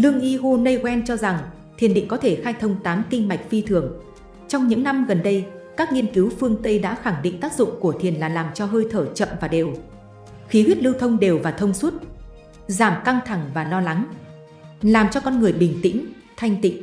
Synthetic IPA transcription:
lɨ˧əŋʔi˧ɦo˧nə˧jɣwɛ˧nt͡ɕɔ˧za˨˩ŋ | t̪ʰi˨˩ənɗḭ˧˨ŋ̟kɔ˨˦t̪ʰe˧˩xaː˧jt̪ʰə˧wŋ͡mt̪aː˨˦mkï˧ŋ̟ma˨˩jk̟̚fi˧t̪ʰɨ˧˩əŋ | t͡ɕɔ˧wŋ͡mɲɨ̰˧˥ŋna˧mɣə˨˩nɗə˧jkaː˦˥k̚ŋi˧ənki˨˦wfɨ˧əŋt̪ə˧jɗa̰ː˧˥xa˧˩ŋɗḭ˧˨ŋ̟t̪aː˦˥k̚zʊ̰˧˨ŋ͡mku˧˩ət̪ʰi˨˩ənlaː˨˩laː˨˩mt͡ɕɔ˧ɦəː˧jt̪ʰəː˧˩t͡ɕə̰˧˨mvaː˨˩ɗḛ˨˩w | xi˨˦hwi˦˥t̚lɨ˧wt̪ʰə˧wŋ͡mɗe˨˩wvaː˨˩t̪ʰə˧wŋ͡mswə˦˥t̚ | zaː˧˩mka˧ŋt̪ʰa˧˩ŋvaː˨˩lɔ˧la˨˦ŋ | laː˨˩mt͡ɕɔ˧kɔ˧nŋɨ˨˩əjɓï˨˩ŋ̟t̪ḭ˧˥ŋ̟ | t̪ʰa˧jŋ̟t̪ḭ̈˧˨ŋ̟

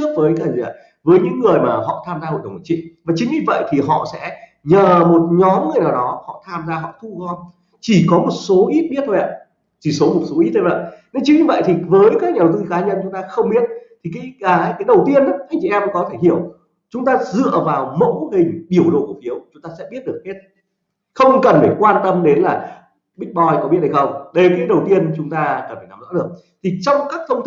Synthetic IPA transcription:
t͡ɕɨ˦˥ək̚vəː˨˦jkaː˧˩˨ | vəː˨˦jɲɨ̰˧˥ŋːɨ˨˩əjmaː˨˩hɔ̰˧˨t̪ʰaː˧mzaː˧ho̰˨˧˨jɗə˨˩˨t͡ɕḭ˧˨vaː˨˩t͡ɕï˨˦ŋɲɨ˧və̰˧˨jt̪ʰi˨˩ɦɔ̰˧˨sɛ̰˧˥ | ɲəː˨˩mo˨˩t̚ɲɔ˨˦mŋɨ˨˩əjnaː˨˩wɗɔ˨˦hɔ̰˧˨t̪ʰaː˧mzaː˧ɦɔ̰˧˨t̪ʰu˧ɣɔ˧n | t͡ɕi˧˩kɔ˨˦mo˨˩t̚so˨˦ʔi˦˥t̚ɓi˦˥ət̪ʰo˧jʔa˧˨˩ | t͡ɕi˧˩so˨˦mo˨˩t̚so˨˦ʔi˦˥t̚t̪ʰːo˧˩və̰˧˨jne˧nt͡ɕi˨˦ŋɲɨ˧və̰˧˨jt̪ʰi˨˩vəː˨˦jkaː˦k̚ɲaː˨˩wt̪ɨ˧kaː˨˦ɲə˧nt͡ɕʊ˨˦ŋ͡mt̪aː˧xə˧wŋ͡mɓi˦˥ət̚t̪ʰi˨˩kaː˨˦jʔːjkaː˨˦jɗə˨˩wt̪i˧əna˨˦ʔa˧jŋt͡ɕi˧˨ʔɛ˧mkɔ˨˦t̪ʰe˧˩hi˧˩˨əw | t͡ɕʊ˨˦ŋ͡mt̪aː˧zɨ̰˧˨əvaː˨˩wmə̰˧˥whï˨˩ŋ̟ɓi˧˩əwɗo̰˧˨ku˧˩fi˨˦əwt͡ɕʊ˨˦ŋ͡mt̪aː˧sɛ̰˧˥ɓi˦˥ət̚ɗɨ˨˩ək̚he˦˥t̚ | xə˧wŋ͡mkə˨˩nfə˧˩kwaː˧nt̪ə˧mɗe˨˦nlaː˨˩ | ɓï˦˥k̚ɓɔ˧jkɔ˨˦ɓi˦˥t̚ha˧jxə˧wŋ͡mɗə˧jkaː˨˦jɗə˨˩wt̪i˧ənt͡ɕʊ˨˦ŋ͡mt̪aː˧kə˨˩ntfʰe˧˩na˨˦mzɔ̰˧˥ɗɨ˨˩ək̚ | t̪ʰi˨˩t͡ɕɔ˧wŋ͡mkaː˦˥k̚t̪ʰə˧wŋ͡mt̪

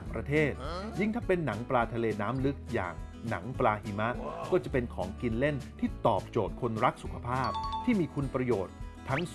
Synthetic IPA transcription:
pɾa˧t̪ʰeː˥˩t̪̚ji˥˩ŋt̪ʰa˥˩pe˧nːa˩˦ŋpɾaː˧t̪ʰa˧leː˧naː˦˥mlɯ˦˥k̚ja̰ː˨˩ŋ | na̰˩˦ŋplaː˧hi˩˦ma˦˥ʔkɔː˥˩t͡ɕa˨˩pe˧nkʰɔː˩˦ŋki˧nle˥˩nt̪ʰiː˥˩t̪ɔː˨˩p̚t͡ɕoː˨˩t̪̚kʰo˧nɾa˦˥k̚su˨˩kʰa˧pʰaː˥˩p̚t̪ʰiː˥˩miː˧kʰu˧npɾa˧joː˨˩t̪̚ʰːa˦˥ŋ

